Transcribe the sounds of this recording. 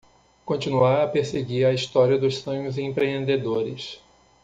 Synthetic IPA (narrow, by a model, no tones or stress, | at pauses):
kõt͡ʃinuaɐpeɾseɡiɾɐist̪ɔɾiɐd̪ʊssõɲʊzẽpɾeẽnd̪ed̪oɾɪs